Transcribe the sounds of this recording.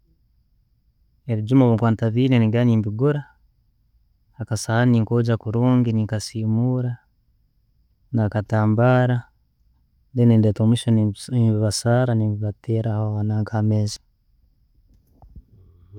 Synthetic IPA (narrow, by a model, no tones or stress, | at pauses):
e̞βiɟumoβuŋkwaːntaβiːneniɡaniːmbiɡuɾa | hːkasahaniːŋkoɟakuɾuːŋɡiniŋkasiːmuɾa | nakataːmbaɾa | ndeneːndetomuʃonimbiβasaːɾanimbiβatʰeːɾahoaβanaːŋkʰamezḁ